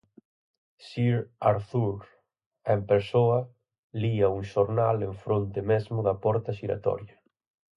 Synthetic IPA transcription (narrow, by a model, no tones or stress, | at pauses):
ʃiɾaɾθuɾ | empeɾsoɐ | liɐuŋʃoɾnalẽɱfɾont̪ɪmezmʊðɐpɔɾt̪ɐʃiɾa̰t̪ɔ̰ɾjɐ